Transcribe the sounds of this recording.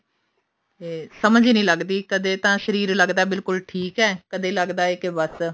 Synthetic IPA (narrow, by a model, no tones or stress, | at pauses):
t̪eːsəməd͡ʒnĩːləɡd̪iːkəd̪eːt̪ãːʃəɾiːɾləɡd̪aːbɪlkʊlʈʰiːkɛːkəd̪eːləɡd̪aːeːkebəs